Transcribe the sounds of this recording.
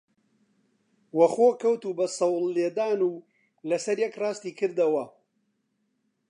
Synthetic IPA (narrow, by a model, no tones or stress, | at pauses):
wɐxoːkʰɐwt̪uːbɐsɐwlːeːd̪aːnuː | lɐsɐɾjɛkrɑːst̪iːkʰɨɾd̪ɐwɐ